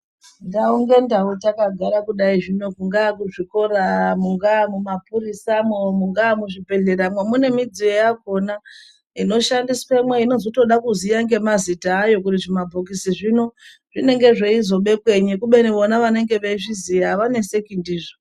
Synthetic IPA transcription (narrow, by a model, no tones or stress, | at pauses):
ndauŋɡe̞ndautakaɡʱaɾakuɗaiʐino̞kuŋɡakuʐiko̞ɾamuŋɡamumapuɾisamomuŋɡamuʐipe̞ɮeɾamwemune̞mid͡ziojako̞na | ino̞ʃandiskemweino̞zoto̞ɗakuzijaŋɡe̞mazitaːjo̞kuriʐimabʱokisiʐino̞ | ʐ̥ine̞ŋɡe̞ʐeizo̞ɓe̞kwe̞ɲikuɓe̞niʋo̞naʋane̞ŋɡe̞ʋeiʐizijaʋane̞se̞kindiːʐo